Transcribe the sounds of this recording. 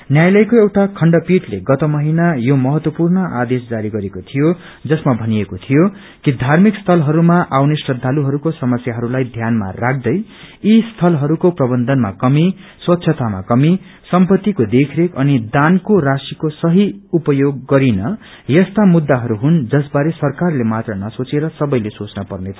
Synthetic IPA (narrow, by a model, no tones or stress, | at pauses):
njajlʌjkoewʈakʰʌɳɖʌpiʈlḛɡʌt̪ʌmʌɦinajomʌɦʌt̪wʌpurnʌʔa̰d̪esd͡zaɾiɡʌɾekot̪ʰijo | d͡zʌsmabʱʌnijekot̪ʰijo | kid̪ʱarmikst̪ʰʌlɦʌɾumaʔawnesrʌd̪ʱːaluɦʌɾukosʌmʌsjaɦʌɾulajd̪ʱjanma̰rak̚ʰd̪ʌj | ist̪ʰʌlɦʌɾukoprʌbʌnd̪ʱʌnmakʌmi | swʌt̪ːsʰʌt̪ama̰kʌmi | sʌmpʌt̪ːikod̪ekʰɾekʌnid̪ankorasikosʌɦiupʌjoɡːʌɾinʌ | jʌst̪amud̪ːaɦʌɾuɦund͡zʌsbaɾesʌrkarlemat̪rʌnʌsot͡seɾʌsʌbʌjlesot͡snʌpʌrnet͡sʰʌ